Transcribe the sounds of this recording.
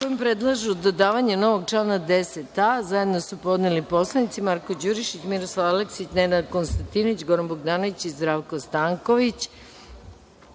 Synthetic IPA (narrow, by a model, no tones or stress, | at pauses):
kojimpɾed̪lˠaʒud̪od̪aːʋaɲeno̞ʋo̞ɡt͡ʂlˠaːnad̪e̞set̪azaje̞d̪nosupo̞d̪nelipo̞slˠanit̪simaɾkod͡ʑuɾiʃit͡ɕmiɾoslˠaʋaleksit͡ɕnenad̪konst̪ant̪inoit͡ɕɡoɾanboɡd̪aːnoʋit͡ɕizd̪ɾaʋkost̪aŋko̞ʋit͡ɕ